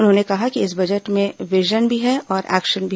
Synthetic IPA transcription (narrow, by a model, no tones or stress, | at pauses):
ʊnɦõnekɐɦakiɪs̬bɐd͡ʒəʈmẽʋɪʒənbʱiɦɛɔːɾʔɛ̰ːkʃənbʱi